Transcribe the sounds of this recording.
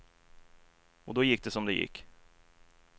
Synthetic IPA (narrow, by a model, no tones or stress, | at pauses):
ɔd̪ɔjɪkːd̪ɛsɔmd̪ɛjɪ̰kː